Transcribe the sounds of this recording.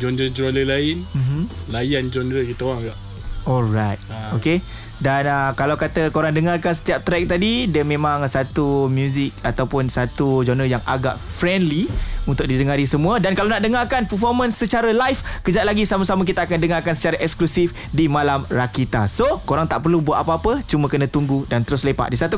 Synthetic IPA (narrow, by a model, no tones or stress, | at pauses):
d͡ʒɔndəd͡ʒɾɔləlaɪnm̩mm̩lajand͡ʒɔnɾəkit̪əoaŋɡaʔ | ɔlrajt̪oke | danakalawkat̪əkoɾaŋdəŋarkansə̥t̪iap̚t̪ɾɛk̚t̪adidiəmẽmãŋsat̪umjuzɪk̚at̪awpʊnsat̪ud͡ʒɔndəjaŋa̰ɡa̰ʔfɾɛndliunt̪ʊk̚didəŋaɾisəmũədankalawnaʔdəŋarkanpərfɔrmə̃nsːət͡ʃaɾəlajfkəd͡ʒat̪laɡisamasamək̬it̪aːkandəŋarkansə̥t͡ʃaɾaʔɛksklusif | dimalamrakit̪asokoɾaŋt̪aʔpərlubuatʔ̪apaapət͡ʃumakənə̃t̪uŋɡudant̪əɾʊslepa̰ʔdisat̪u